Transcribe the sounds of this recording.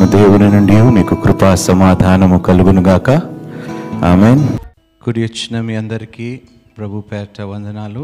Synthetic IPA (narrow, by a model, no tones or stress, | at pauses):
ɐd̪eːwuninuɳɖijuːmiːkukɾupaːsɐmaːd̪ʱaːnɐmukɐluɡunuɡaːkɐ | aːmeːn | kuɽijut͡ʃnɐmiɐnd̪ɐɾikiː | pɾɐbʱupɛːɾʈʰɐʋɐnd̪ʱɐnaːlu